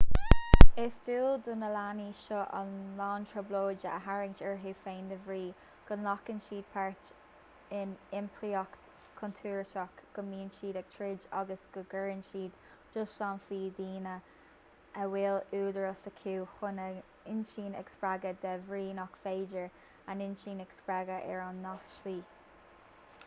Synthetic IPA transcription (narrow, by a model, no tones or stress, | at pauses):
ɪsduːld̪ʊnəlaniʃɔʔə̰nlɑːntʰɹəbloːd͡ʒəə̰ɦaɹɪŋt͡ʃɛɹɦuːfeːnd̪əvɹiː | ɡ̥ʊnlɔkɪnʃiːd̪̚pʰaɹt | ɪnɪmpʰɹiɔkt̪ | kʰʊnt̪ʰuːɹtɔkɡ̥ʊnmiːnʃiːd̪aɡ̥̚t̪ʰɹɪd͡ʒa̰ɡəsɡ̥əɡəɹɪnʃiːd̪ | d͡ʒʊsʃanfiːd̪iːnə | əwɪluːd̪əɹəsəkʰuːxʊnə | ɪnʃiːnɛ̰kspɹaɡəd̪ɛvɹiːnɔkfeːd͡ʒəɹ | anɪnʃiːnɛkspɹaɡəʔɛ̰ɹanːɔxʃliː